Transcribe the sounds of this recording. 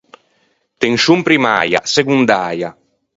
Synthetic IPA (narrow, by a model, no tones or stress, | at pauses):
t̪eŋʃumpɾima̰ːja̰seɡund̪aːja